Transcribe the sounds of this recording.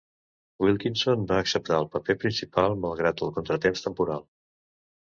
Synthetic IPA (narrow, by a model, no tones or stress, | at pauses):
wilˠkinsonbaəksəp̚t̪aəlˠpəpepɾinsipalˠməlˠɣ̞ɾat̪əlˠkunt̪ɾət̪emst̪əmpuɾalˠ